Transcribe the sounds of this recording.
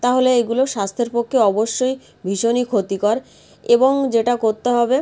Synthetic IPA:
t̪aɦoleeɡuloʃast̪ʰeɾpokʰːeɔboʃːoj | bʱiʃonikʰot̪ikɔɾ | eboŋd͡ʑeʈakoɾt̪eɦɔbe

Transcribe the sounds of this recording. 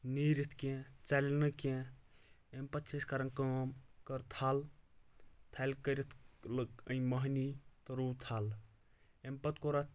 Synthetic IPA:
niɾit̪ʰkẽt͡salnɨkẽ | empɐt̪̚t͡ʃʰeskaɾɐnkəmkəɾt̪ʰal | t̪ʰalkəɾit̪ʰləkə̃j̃mɐɦnit̪ɐɾuwt̪ʰal | empɐt̪koɾat̪

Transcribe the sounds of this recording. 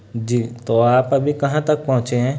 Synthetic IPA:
d͡ʒiːt̪oaːpɐbʱikɐɦãt̪ɐk̚pɐɦʊ̃t͡ʃeɦɛ̃ː

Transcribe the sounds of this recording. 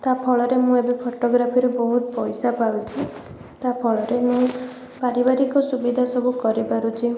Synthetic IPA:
t̪apʰɔɭɔɾemũebepʰoʈoɡɾapʰiɾebɔɦut̪pɔjsapawt͡ʃʰi | t̪apʰɔɭɔɾemũ | paɾibaɾikɔsubid̪ʱasɔbukɔɾipaɾut͡ʃʰi

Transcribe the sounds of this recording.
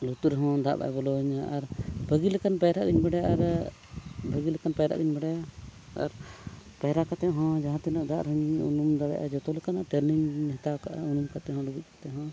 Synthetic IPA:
lut̪uɾɦɔ̃d̪a̰ʔba̰ʔbɔlɔɲaʔaɾbəɡilɛkanpajɾaʔɡiɲbɛɽajaʔaɾ | bəɡilɛkanpajɾa̰ʔɡiɲbɛɽajaa̰ɾpajɾakat̪ɛɦɔ̃d͡ʒaɦãt̪ɛnɔʔd̪aʔɾɔɲṵnumd̪aɽa̰ʔa̰d͡ʒɔt̪ɔlɛkanaʈɛɾniɲɦɛt̪awkaʔunumkat̪ɛɦɔ̃luɡuc̚kʰḁt̪ɛɦɔ̃

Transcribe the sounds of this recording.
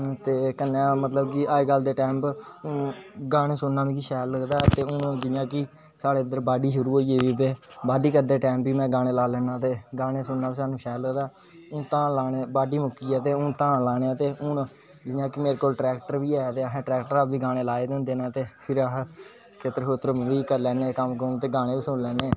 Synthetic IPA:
t̪eːkənːãːmət̪ləbkiːʔaːeːɡəld̪eːʈɛːmpː | ɡaːneːsʊnːãːʋiːkiʃɛːlːəɡd̪aːt̪eːʊnd͡ʒɪjãːki | saːɽeːɪd̪əɾbaːɖiːʃʊɾuːɦoːiːeːʋiːt̪̬eːbaːɖiːkəɾd̪eːʈɛ̃ːmpʋiːmɛ̃ːɡaːɽ̃eːlaːlɛːnaːt̪eːɡaːneːsʊnːaːʋiːsaːnũːʃɛːləɡd̪aː | ʊnt̪ãːlaːneːbaːɖiːmʊkiːɛːt̪eːʊnt̪ãːlaːneːaːt̪eːʊn | d͡ʒɪjãːkɪmeːɾeːkoːlʈɾɛːkʈəɾʋiːaːt̪eːɦãːʈɾɛːk̚ʈəɾaːpʋiːɡaːɽ̃eːlaːeːd̪ʊ̃nd̪eːnãːt̪eːpʰɪɾa | kʰet̪əɾkot̪əɾʋiːkəɾlɛːneːkəmkəɾnːt̪eːɡaːñeːʋiːsʊnlɛːneː

